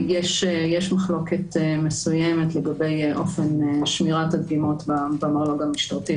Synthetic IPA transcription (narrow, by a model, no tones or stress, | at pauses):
jɛʃjɛʃmaχlo̞ketmesujɛmetleɡabejʔo̞̰fenʃmiʁatadɡimo̞tbabamaloɡamiʃtaʁti